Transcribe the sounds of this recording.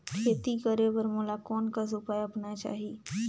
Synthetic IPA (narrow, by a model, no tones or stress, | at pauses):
kʰeːt̪ikəɾeʋɐɾmʊlakɔːnkas̬ʊpaːjɐpnat͡ʃa̰ːɦiː